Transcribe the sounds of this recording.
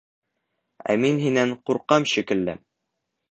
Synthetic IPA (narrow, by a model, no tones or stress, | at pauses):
æ̰minɦinæɴquɾqɑmʃikɘ̆lːɘ̰